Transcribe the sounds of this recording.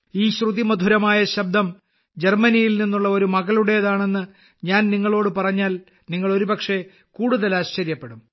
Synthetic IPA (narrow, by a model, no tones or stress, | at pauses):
iːɕruðimɐd̪ʱuɾɐmaːjɐɕɐbd̪ʱɐm | d͡ʑe̞rmɐnijilninːuɭːɐo̞ɾumɐɣɐluɽe̞ðaːɳe̞nːɨ | ɲaːnniŋːɐɭo̞ːɽɨpɐrɐɲːaːl | niŋːɐɭo̞ɾubɐkʂe̞ | kuːɽuðɐlaːɕt͡ɕɐɾjɐpːe̞ɽum